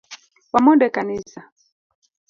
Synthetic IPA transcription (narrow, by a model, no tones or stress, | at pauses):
wamɔɗɛkanisa